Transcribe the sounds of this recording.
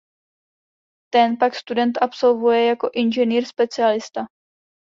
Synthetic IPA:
t̪ɛnpakst̪udɛnt̪ʔapso̞lvujɛjako̞ʔɪnʒɛniːɾspɛt͡sɪalɪst̪a

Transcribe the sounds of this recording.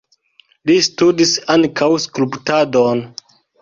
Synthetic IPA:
listudisaŋkawskulptadon

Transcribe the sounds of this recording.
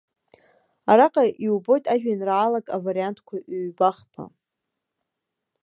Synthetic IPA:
aɾaqʼaʔiwbo̞jtʼaʒᶣanraːlakʼavaɾiantʰkʷʰaʔɥbaχpʰa̰

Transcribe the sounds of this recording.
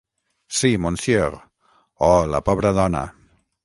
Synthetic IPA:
simonsjeɾ | ɔla̰pɔβɾaðɔna̰

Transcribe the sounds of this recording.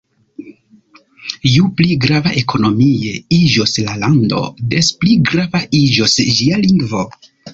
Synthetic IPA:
upliɡɾavaʔe̞kʰo̞no̞mie̞id͡ʒoslalando̞̰despliɡɾavaid͡ʒosd͡ʒialiŋɡvo̞

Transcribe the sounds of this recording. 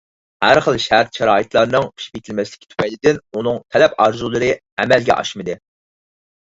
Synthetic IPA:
hæɾχəlˠʃæɾt̪ʃɛɾɑːit̪lˠɑɾɨnɨŋpʰi̥ʃpet̪ʰɪlmɛslɪ̥kʲʰɪt̪ʰy̥pʰɛjlɪd̪ɪnunɨŋt̪ʰɛlɛpɑɾzulˠɨɾɨ | ɛmɛlɡʲɛ̰ʔɑ̰ʃmɨd̪ɨ

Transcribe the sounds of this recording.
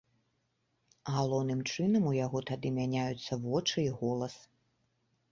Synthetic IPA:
ɣalˠɔwnɨmt͡ʂɨnɐmujaɣɔt̪ad̪ɨmʲanʲajut̪sːɐvɔt͡ʂɨiɣɔlˠɐs

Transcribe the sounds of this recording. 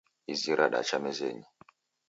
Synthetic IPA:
iziɾaɗa̰t͡ʃamɛzḛːɲi

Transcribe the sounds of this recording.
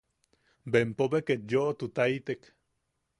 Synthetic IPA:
bempobekenjoʔt̪ut̪ait̪ek

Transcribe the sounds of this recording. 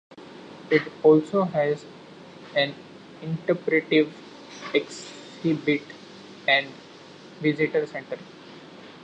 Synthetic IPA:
ɪʈɔːlsoːɦɛz | ɛ̃n | ɪ̃ɳʈepɾeʈiʋ | eks | hibɪʈ | ɛ̃ɳɖ | ʋɪzɪʈəɾsẽɳʈəɾ

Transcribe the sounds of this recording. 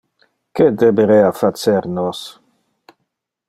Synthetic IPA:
ked̪ebeɾeafat͡seɾnɔs

